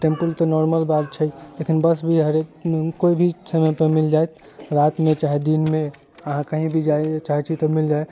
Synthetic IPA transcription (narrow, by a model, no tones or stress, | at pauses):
ʈẽmpəlt̪ɔnɔɾməlbat̪t͡ʃʰəlekinbəsbʱiɦəɾekoibʱisəməpemild͡ʒaet̪ | ɾat̪mẽt͡ʃaɦed̪inmẽ | əɦãkəɦĩbʱid͡ʒaet͡ʃaɦɛt͡ʃʰit̪ɔmild͡ʒae